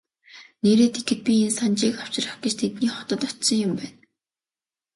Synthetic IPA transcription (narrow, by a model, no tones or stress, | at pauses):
neːɾeːt̪ʰekɘ̆t̪̚pʲiensant͡ɕiːkaw̥t͡ɕɪrə̆χɡet͡ɕt̪ʰet̪niːχɔ̥t̪ə̆t̪ɔt͡ɕsɞ̆ŋjʊmpæːn